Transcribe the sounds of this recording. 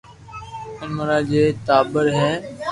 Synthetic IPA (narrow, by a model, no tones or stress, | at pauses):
ʊməɾaːd͡ʒeːt̪aːbəɾɦɛː